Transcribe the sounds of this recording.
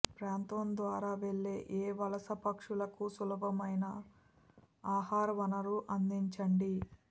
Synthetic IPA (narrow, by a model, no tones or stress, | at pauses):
pɾaːnt̪ɐnd̪ʋaːɾaːʋe̞ɭːe̞ːʔeːʋɐlɐsɐpɐkʂulɐkusulɐbʱɐmɐjnɐ | aːhaːɾʋɐnɐɾuʔɐnd̪iɲt͡ʃɐɳɖi